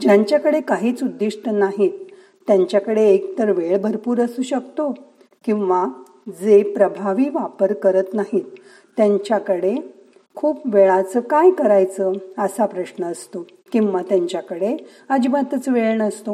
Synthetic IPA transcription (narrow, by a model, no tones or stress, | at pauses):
d͡ʑjaɲt͡ɕjakəɽekaɦiːt͡sud̪ːiʂʈənaɦiːt̪ː | jaɲt͡ɕjakəɽeːkt̪əɾʋeɭbʱəɾpuːɾəsuːɕəkt̪o | kĩw̃ʋa | d͡zepɾəbʱaʋiːʋapəɾkəɾət̪naɦit̪ː | jaɲt͡ɕjakəɽe | kʰuːpʋeɭat͡səkajkəɾajt͡səəsapɾəɕnəːst̪o | kĩw̃ʋat̪jaɲt͡ɕjakəɽe | əd͡ʑimat̪ət͡sʋeɭɳəst̪o